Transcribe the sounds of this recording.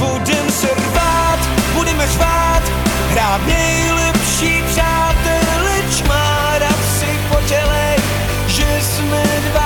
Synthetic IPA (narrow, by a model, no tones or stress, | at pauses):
budɛmsɛrvat̪budɛmɛrvat̪ | bɾaːt̪nɛj | lɛpʃiːpr̥aːt̪ɛlɛt͡ʃmaː | ɾat̪sɪpocɛlɛ | ʒɛ | smɛdva